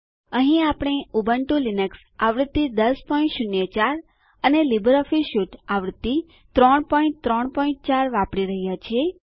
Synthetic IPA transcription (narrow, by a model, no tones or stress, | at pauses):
əɦĩapɽ̃eubəɳʈũlinəks | aʋɾt̪ːid̪əspɔĩɳʈʃunjət͡ʃaɾ | ənelibəɾɔfiʃuʈaʋɾt̪ːi | t̪ɾɔɳpɔĩɳʈt̪ɾɔɳpɔĩʈ̚t͡ʃaɾʋãpɽiɾəɦjat͡ʃʰie